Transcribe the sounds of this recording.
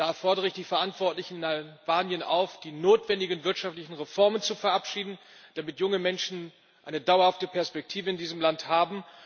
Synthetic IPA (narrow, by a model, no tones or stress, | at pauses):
d̥aːfɔɐdəʁəɪçd̥iːfɛɐʔantv̥ɔɐtlɪçn̩naɪvaːnjənʔa̰ʊfd̥iːnoːtv̥ɛndɪɡənvɪɐtʃaftlɪçn̩ʁefɔɐmənt͡sufɛɐʔapʃiːdn̩ | d̥amɪtjʊŋəmɛnʃn̩ | ʔʔaɪnədaʊɐhaftəpʰɛɐspɛk̚tʰiːvəɪndiːzəmlanthaːbm̩